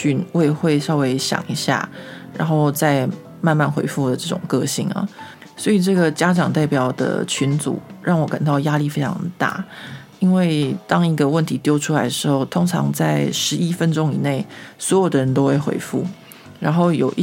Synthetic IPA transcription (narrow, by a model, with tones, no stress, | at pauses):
y˥˧nwe˥˧ɪxwe˥˧ɪʂɑ˥˧ʊwe˧˥ɪɕjɑ̰˨˩ŋi˧˥ɕja̰˥˩ɻa̰˧˥nxo˥˧ʊt͡sa˥˧ɪ | ma˥˧nma˥˩nxwḛ˧˥ɪfu˥d̪ə˩ʈ͡ʂɤ˥˩ʈ͡ʂʊ̰˨˩ŋkɤ˥˧ɕi˥˩ŋɐ̰˩ | swɔ˧˥i˨˩ʈ͡ʂɤ˥˩ɡə˩t͡ɕja˥ʈ͡ʂɑ˨˩ŋt̪a˥˩ɪpjɑ˨˩ʊd̪ə̰˩t͡ɕʰy˧˥nt͡sṵ˨˩˦ɻɑ˥˩ŋwɔ˨˥ka˨˩nt̪ɑ˥˩ʊja˥li˥˩fe˥ɪʈ͡ʂʰɑ˧˥ŋd̪ə˧˩t̪a̰˥˩ | i˥nwe˥˩ɪt̪ɑ˥ŋi˧˥ɡə˧wə˥˩nt̪ʰi˧˥t̪jo˥ʊʈ͡ʂʰu˥la˧˥ɪd̪ə˨˩ʂɻ̩˧˥xo˥˩ʊt̪ʰo˥ŋʈ͡ʂʰɑ̰˧˥ŋt͡sa˥˧ɪʂɻ̩˧˥i˦˥fə˥nʈ͡ʂo˥ŋi˨˩ne˥˩ɪswɔ˧˥jo˨˩d̪ə˩ɻə˧˦nt̪o˥ʊxwe˥˩ɪxwḛ˧˥ɪfṵ˥˩ | ɻa˧˥nxo˥˩ʊjo˨˩ʊ˥